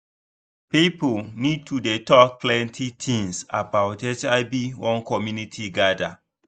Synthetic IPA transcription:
pipolnid̚tʰudetɔk̚pʰlɛ̃ntʰitʰĩŋsabaʊtɛt͡ʃaɪbiwɔ̃nkɔmjunitʰiɡada

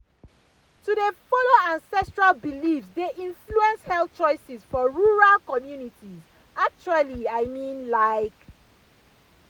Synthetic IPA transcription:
tudefɔloãnsɛstɹalbilifsdeʔĩnfluɛ̃nshɛl̚t͡ʃɔɪsizfɔɹuɹalkɔmjunitʰiz | ak̚t͡ʃualiaɪmĩnlaɪk

